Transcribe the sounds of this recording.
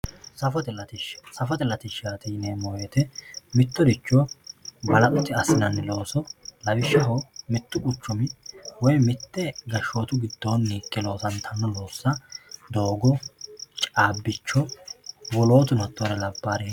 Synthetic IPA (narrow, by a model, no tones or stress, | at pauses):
sɐfɔt̪ɛlɐt̪ɪʃsɐfɔt̪ɛlːɐt̪ɪʃat̪ɪneːmɔjet̪ɛmɪt̪ːɔd̪ɪt͡ʃːɔbɐlɐʔʊt̪ːɪɐsɪnɐnːlo̞ːsɔlɐwɪʃːɐɦɔmɪt̪ːʊʔʊt͡ʃːɔmɪwɔjmɪt̪ːɛɡɐʃːoːt̪ʊɡɪd̪̥ːoːnːiːkʼːɛlo̞ːsɐnt̪ʰɐnːɔloːsːɐd̪o̞ːɡɔt͡ʃʼaːbːɪt͡ʃːɔwɔlo̞ːt̪ʊnɔt̪ʼːɔɾɛlɐbːaːɾɛ